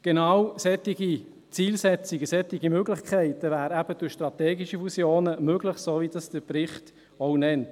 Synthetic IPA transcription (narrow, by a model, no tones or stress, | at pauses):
ɡ̥enɑːwsɛtːiɡi | t͡siːlsɛt͡siɡəsɛt̪iɡimøɡlɪχkʰχæɪtəvæːɾæb̥əd̥ʊɾʃt̪rɑt̪ɛːɡiʃəfusjoːnəmøɡləχssoːʋid̥ɑsd̥əɾprɪχt | ɔʊnɛnt